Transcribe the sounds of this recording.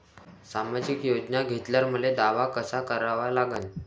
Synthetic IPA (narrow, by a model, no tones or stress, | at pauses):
samad͡ʑikjod͡ʑnaɡʱet̪ljaɾmuled̪aʋakəsakəɾaʋalaɡən